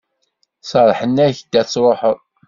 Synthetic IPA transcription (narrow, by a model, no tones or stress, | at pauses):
səɾˤħənːæçd̪æt͡sːɾˤoħəðˤ